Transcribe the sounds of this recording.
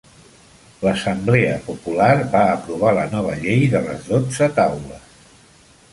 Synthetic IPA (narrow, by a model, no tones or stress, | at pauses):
ləsəmbleəpupulaɾβaːpɾuβ̞alənɔβ̞əʎejðələ̰zðod͡zət̪awləs